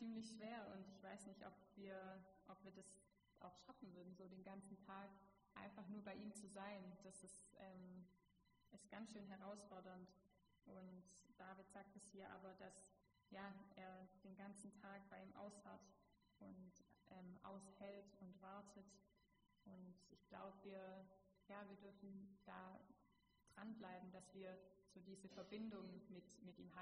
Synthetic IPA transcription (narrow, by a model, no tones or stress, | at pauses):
t͡siːmlɪçʃv̥eːɐʔʊntɪçv̥aɪsnɪçtʔɔ̰pv̥iːɐʔɔpv̥iːɐdas | ʔa̰ʊxʃafn̩vʏɐdn̩zoːdeːnɡant͡sn̩tʰaːk | ʔa̰ɪnfaχnuːɐbaɪʔiːmt͡suzaɪnd̥asɪsʔɛːm | ʔɪstɡ̥ant͡sʃøːnɦɛʁaʊsfɔɐdɐnt | ʔʊntd̥aːvɪtz̥aːk̚tɛshiːɐʔa̰ːbɐd̥as | jaːʔeːɐd̥eːnɡant͡sn̩tʰaːk̚b̥aɪiːmʔa̰ʊshat | ʔʊntʔɛːmʔa̰ʊshɛltʊntv̥aɐtʰət | ʔʊntʔɪçɡ̥la̰ʊbəviːɐ | jaːviːɐdʏɐfn̩d̥aː | d̥ʁanblaɪbm̩d̥asv̥iːɐz̥oːdiːzəfɛɐbɪndʊŋmɪtmɪtʔiːmɦaː